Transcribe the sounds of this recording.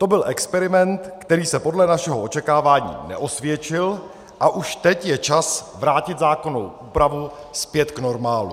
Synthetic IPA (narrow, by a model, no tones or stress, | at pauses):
t̪o̞bɪlʔɛkspɛɾɪmɛnt̪kt̪ɛɾiːsɛpo̞dlɛnaʃɛɦoʔo̞t͡ʃɛkaːvaːɲḭːnɛ̰ʔo̞svjɛt͡ʃɪl | ʔaʔuʃt̪ɛcjɛt͡ʃasvɾaːcɪt̪zaːko̞no̞̰wʔuːpɾavu | spjɛt̪kno̞ɾmaːlṵ